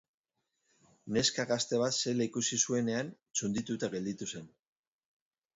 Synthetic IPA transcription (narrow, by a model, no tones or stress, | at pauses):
ne̞skaɣast̪e̞β̞at̪selikusisue̞ne̞an | t͡sund̪it̪ut̪aɣe̞ld̪it̪use̞n